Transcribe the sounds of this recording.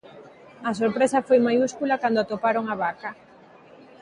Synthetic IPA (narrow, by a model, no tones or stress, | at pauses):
ɐsoɾpɾesɐfojmajuskulakand̪oat̪opaɾoŋaβakɐ